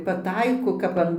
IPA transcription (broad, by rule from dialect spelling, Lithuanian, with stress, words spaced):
pɐˈtɐɪkoː kɐp ˈɐn